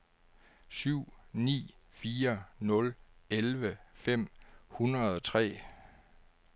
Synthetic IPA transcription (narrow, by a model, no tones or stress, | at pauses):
syʊ̰nḭːfiːɐnɔ̽lelʋəfem̰hunɐð̩ˠɒ̽t͡sʰʁɛ̰ː